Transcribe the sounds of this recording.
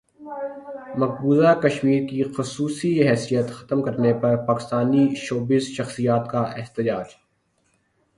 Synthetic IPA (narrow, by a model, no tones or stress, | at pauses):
mɐk̚buːzakɐʃmiːɾkixʊsuːsiɦɛːsijət̪xɐ̥t̪mkɐɾnepɐɾpaːkɪ̥st̪aːniʃoːbɪzʃɐxsijaːt̪kaʔɪɦt̪ɪd͡ʒaːd͡ʒ